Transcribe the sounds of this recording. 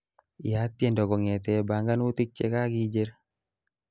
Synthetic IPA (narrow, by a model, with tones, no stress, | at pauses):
ja˦t̪ːjɛndɔ˨ɡɔ˨ŋɛ˨t̪ɛ˨ba˨ŋɡa˦nu˦t̪i˦k̚t͡ʃeka˦ɡid͡ʒeɾ